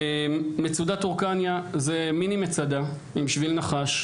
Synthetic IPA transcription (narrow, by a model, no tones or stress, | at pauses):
met͡sud̪at̪uʁkanjazeminimet͡sad̪a | imʃvilnaχaʃ